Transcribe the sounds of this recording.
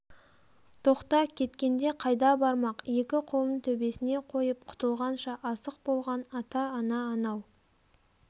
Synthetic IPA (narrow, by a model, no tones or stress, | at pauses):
t̪ʰo̞qt̪ɑkʲʰe̞t̪kʲe̞nd̪e̞qʰɑjd̪ɑbɑɾmɑqje̞kʲɪqʰolˠənt̪ʰɵbe̞sɪne̞qʰo̞jəp̚qʰʊ̥t̪əlˠʁɑnʃɑʔɑsəq̚bo̞lˠʁɑnɑt̪ɑːnɑːnɑw